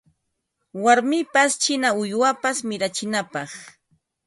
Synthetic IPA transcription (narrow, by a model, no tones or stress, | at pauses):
waɾmɪpast͡ʃɪnaʊjwapasmɪɾat͡ʃɪnapɑχ